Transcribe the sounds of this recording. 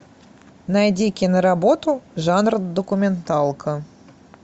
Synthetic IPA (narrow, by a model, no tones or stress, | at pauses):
najdʲikʲɪnəɾabot̪uʐɑnrd̪okumʲent̪ɑlˠkʰə